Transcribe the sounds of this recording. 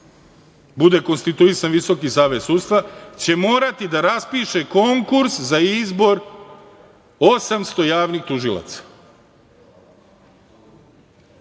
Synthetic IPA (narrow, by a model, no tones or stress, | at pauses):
bud̪e̞ko̞nst̪it̪uisanʋiso̞kisaːʋesuːd̪st̪ʋat͡ɕe̞moːɾat̪id̪aɾaspiːʃe̞ko̞ŋkuɾszaizbo̞ɾ | o̞samst̪o̞jaːʋnixt̪uʒilˠa̰t̪sḁ